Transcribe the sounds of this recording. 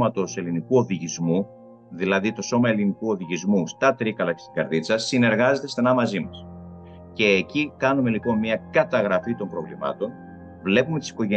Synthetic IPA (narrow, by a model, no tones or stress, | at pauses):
mɐt̪o̞se̞linikuo̞ðiʝizmu | ðilɐðit̪o̞so̞mɐe̞linikuo̞ðiʝizmust̪ɐt̪ɾikɐlɐcest̪iɡɐɾðit͡sɐsine̞ɾɣɐze̞t̪e̞st̪enɐmɐzimɐs | ce̞ːcikɐnume̞lipo̞nmiɐkɐt̪ɐɣɾɐfit̪o̞mbɾo̞vlḭmɐ̰t̪o̞n | vle̞pumet̪i̥si̥ko̞ʝe